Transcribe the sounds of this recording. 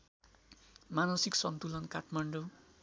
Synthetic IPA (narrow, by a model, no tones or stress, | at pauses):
manʌsiksʌnt̪ulʌnkaʈʰmaɳɖo